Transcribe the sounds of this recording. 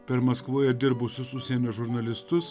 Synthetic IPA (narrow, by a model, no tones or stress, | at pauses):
pʲɛɾmɐskʋuːjɛd̪ʲɪɾbʊsʲʊsʊʃʲsʲiɛnʲoːʒʊɾnɐlʲɪst̪ʊs